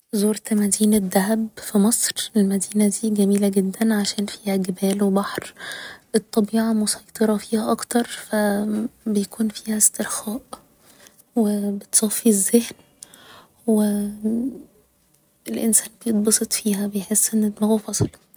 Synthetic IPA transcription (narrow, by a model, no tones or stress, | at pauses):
zoːɾt̪æmæd̪iːnæd̪ːæɦæbfimɑsˤɾelmæd̪iːnæd̪iːɡæmiːlæɡed̪ːænʕaʃæːnfiːhæɡebæːlwebɑħɾʔet̪ˤːɑbiːʕɑmosɑjt̪ˤeɾˤɑfiːhæʔɑkt̪ɑɾˤfæbejækuːnfiːhæst̪eɾxæːʔ | webet̪sˤɑfːizːehn | we | elʔensæːnbejed̪̚ˤbɑsˤet̪ˤfiːɦæbejħesːʔenːet̪mæɣofɑsˤl